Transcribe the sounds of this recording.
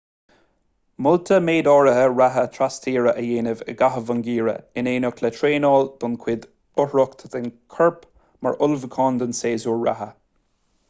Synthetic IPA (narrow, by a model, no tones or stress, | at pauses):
mʊlt̪ʰəmeːd̪ɔːɹəɦəɹaɦət̪ʰɾast̪ʰiːɹəʔəjeːnɪvə̰ɡaɦəvənɡiːɹə̰ɪneːnʊkʰlɛt̪ʰɹeːnɔːld̪̥ʊnkʰwɪd̪ | ʊhɹɔkt̪ʰəðɪnkʰəɹp | ma̰ɹʔʊlvəkʰɔːnd̪ənseːzuːɹɹa̰ɦə